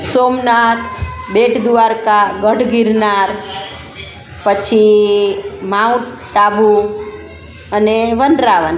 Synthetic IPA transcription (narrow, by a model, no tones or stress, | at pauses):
somnat̪ʰbeʈʰd̪ʋaɾkaɡəʈɡiɾnaɾ | pət͡ʃʰi | mãw | ʈabu | əneʋənɾaʋən